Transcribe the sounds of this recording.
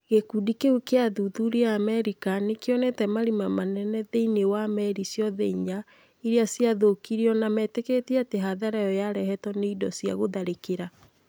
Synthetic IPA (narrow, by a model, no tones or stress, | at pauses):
ɣekudikeukeaðuðuɾeamɛɾikanekeɔnɛtɛmaɾimamanɛnɛðeinewamɛɾisjɔðɛiɲa | iɾeasjaðokiɾiɔnamɛteketiateɦaðaɾajɔjaɾɛhɛtɔneidɔsja̰ɣoðaɾekeɾa